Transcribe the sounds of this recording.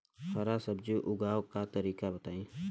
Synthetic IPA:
xɐɾasɐbd͡ʒuʔʊɡaːwkat̪ɐɾiːkabɐt̪aːĩː

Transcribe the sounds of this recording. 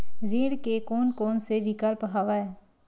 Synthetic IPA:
ɾiːɽkekoːnkoːnseʋɪkaːlpəɦaːʋaɛː

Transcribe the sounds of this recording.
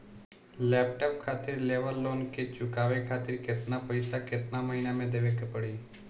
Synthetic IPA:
lɛːp̚ʈop̚kʰaːt̪ɪɾleʋəlːoːnket͡ʃʊkaʋekʰaːt̪ɪɾket̪napəjsaket̪naməɦinamẽd̪eʋekepəɽiː

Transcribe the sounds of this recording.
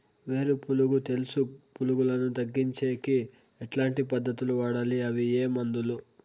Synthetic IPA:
ʋe̞ːɾupuluɡut̪e̞lusupuluɡulɐnut̪ɐɡːiɲt͡ʃeːki | ɛʈlaːɳʈipɐd̪ːɐt̪uluʋaːɽaːliɐʋieːmɐnd̪ulu

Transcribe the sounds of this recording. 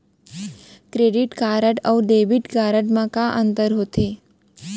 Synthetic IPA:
kɾeɖiʈkaɾəʈəwɖeʋiʈkaɾəʈmãkaʔənt̪əɾɦot̪e

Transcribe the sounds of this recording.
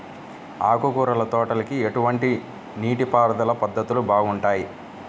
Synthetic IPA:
a̰ːkukuɾɐlɐt̪ɔːʈɐlɐkieʈuʋɐɳʈi | niːʈipaːɾɐd̪ɐlɐpɐd̪ːɐt̪ulubaːɡuɳʈaːji

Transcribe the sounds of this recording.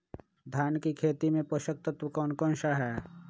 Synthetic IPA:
d̪ʱjaːnkikʰeːt̪imẽpəʃək̚t̪ət̪wəkɔːnkɔ̃ːnʃaɦɛː

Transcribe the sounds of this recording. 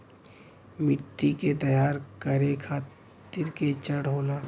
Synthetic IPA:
mɪʈːiket̪ɐjaːɾkəɾekʰaːt̪ | ɪɾket͡ʃəɽɦoːlaː

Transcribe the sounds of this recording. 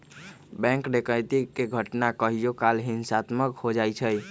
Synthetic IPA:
bɛ̃ŋkɖekəjt̪ikeɡʱəʈnakəɦijokalɦinsat̪məkhod͡ʒajt͡ʃʰəj

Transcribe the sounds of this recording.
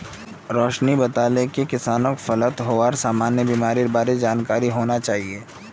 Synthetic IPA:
ɾɔːʃnibɐt̪aːlekekɪsaːnõkfɐlət̪ɦoʋaːɾsaːmaːnjəbiːmaːɾiɾbaːɾid͡ʒaːnkaːɾiɦoːnat͡ʃaːɦieː

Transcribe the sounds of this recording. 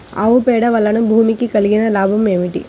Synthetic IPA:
ɐ̰ʋupɛːɽɐʋɐlːɐnɐbʱuːmikikɐliɡinɐlaːbʱɐme̞ːmiʈi

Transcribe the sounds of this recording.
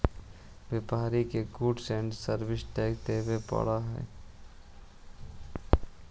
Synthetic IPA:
ʋepaːɾikeɡuːɖsɛ̃ːɳɖsəɾʋɪsʈɛːk̚t̪eːbepə̰ɽaɦɛ̰ː

